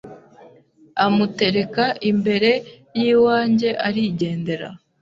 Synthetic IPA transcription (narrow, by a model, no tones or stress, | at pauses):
amute̞ɾe̞kaʔimbe̞ɾe̞ | jiːwaːɲɟe̞ʔaɾiɟe̞ːnde̞ɾa̰